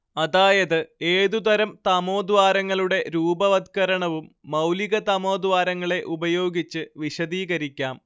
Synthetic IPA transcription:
ɐðaːjɐðɨe̞ːðud̪ɐɾɐmt̪ɐmo̞ːd̪ʋaːɾɐŋːɐɭuɽe̞ɾuːbɐʋɐd̪kɐɾɐɳɐʋumːɐwliɣɐt̪ɐmo̞ːd̪ʋaːɾɐŋːɐɭe̞ʔubɐjo̞ːɡit͡ɕːɨʋiɕɐðiːɣɐɾikʲːaːm

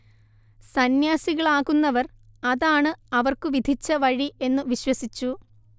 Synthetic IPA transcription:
sɐnjaːsiɣɐɭaːɣunːɐʋɐr | ɐðaːɳɨɐʋɐrkɨʋid̪ʱit͡ɕːɐʋɐɻie̞nːɨʋiɕwɐsit͡ɕːu

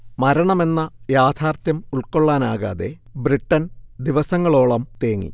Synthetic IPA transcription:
mɐɾɐɳɐme̞nːɐjaːd̪ʰʱaːrt̪jɐmuɭko̞ɭːaːnaːɣa̰ːðe̞bɾiʈːɐnd̪iʋɐsɐŋːɐɭo̞ːɭɐmt̪eːŋːḭ

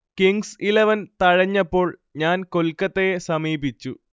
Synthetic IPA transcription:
kiŋɡsilɐʋɐnt̪ɐɻɐɲːɐpːo̞ːɭɲaːnko̞lkːɐt̪ːejesɐmiːbit͡ɕːu

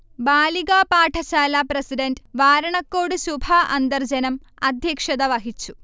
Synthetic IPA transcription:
baːliɡaːpaːʈʰɐɕaːlapɾɐsiɖɐnɖʋaːɾɐɳɐkːoːɽɨsubʱaʔɐnd̪ɐrd͡ʑɐnɐm | ɐd̪ʱjɐkʂɐd̪ɐʋɐɦit͡ɕːu̥

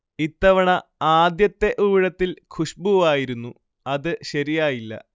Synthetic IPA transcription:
it̪ːɐʋɐɳɐaːd̪jɐt̪ːe̞ʔuːiɻɐt̪ːilkʰuʂbuʋaːjiɾunːu | ɐðɨɕɐɾijaːjilːɐ̰

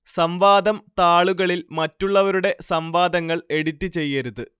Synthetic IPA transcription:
sɐmʋaːd̪ɐmt̪aːɭuɣɐɭilmɐtːuɭːɐʋɐɾuɽe̞sɐmʋaːd̪ɐŋːɐɭe̞ɽit̪ːɨt͡ɕe̞jːɐɾuðɨ

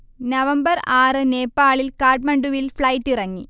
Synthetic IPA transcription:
nɐʋɐmbɐraːrɨne̞ːpːaːɭilkaːrʈ̚mɐɳɖuʋilfɭɐjʈːirɐŋːi

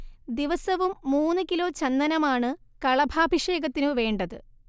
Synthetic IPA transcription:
d̪iʋɐsɐʋumːuːnːɨkilo̞ːt͡ɕɐnd̪ɐnɐmaːɳɨkɐɭɐbʱaːbʱiʂe̞ːɡɐt̪ːinɨʋe̞ːɳɖɐðɨ

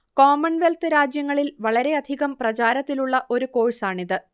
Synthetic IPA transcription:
ko̞ːmɐnʋe̞lt̪ɨɾaːd͡ʑjɐŋːɐɭilʋɐɭɐɾe̞ɐd̪ʱiɣɐmprɐt͡ɕaːɾɐt̪ːiluɭːɐʔo̞ɾuko̞ːɻisaːɳiðɨ

